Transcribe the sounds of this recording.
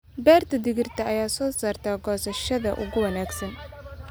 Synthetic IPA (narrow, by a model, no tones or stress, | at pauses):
bɛːrt̪ʰɐd̪ɪɣɪrt̪ʰɐʔɐjaːsɔːsaːrt̪ʰaːɡɔːsɐʃɐðɐʔʊ̰ɣʊwɐnaːɡsɐn